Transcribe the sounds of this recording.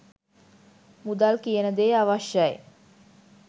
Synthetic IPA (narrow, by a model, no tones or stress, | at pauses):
mud̪alkijənəd̪eːaʋaʃəj